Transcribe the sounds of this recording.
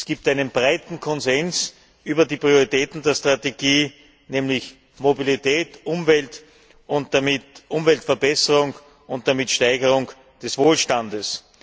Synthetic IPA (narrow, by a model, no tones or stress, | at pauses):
sɡ̥iːp̚taɪnənbʁaɪtn̩kʰɔnzɛns | ʔyːbɐdiːpʁ̥ioʁitɛːtn̩deːɐstʁ̥ateɡ̥iː | nɛːmlɪç | mobilitʰɛːtʔʊmvɛlt | ʔʊnt̚d̥amɪtʔʊmvɛltfɛɐbɛsəʁʊŋ | ʊnt̚d̥amitʃtaɪɡəʁʊŋ | d̥ɛsv̥oːlʃtandəs